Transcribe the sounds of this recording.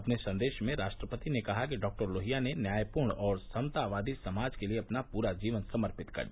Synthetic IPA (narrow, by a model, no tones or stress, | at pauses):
ɐpnesɐ̃nd̪eːʃmẽɾaːʃʈɾəpət̪inekɐɦakiɖɔːk̚ʈəɾloːɦijanenjaːjpuːɾɳɔːɾsɐmt̪aʋaːd̪isɐmaːd͡ʒkelieɐpnapuːɾad͡ʒiːʋənsɐməɾpɪt̪kɐ̰ɾ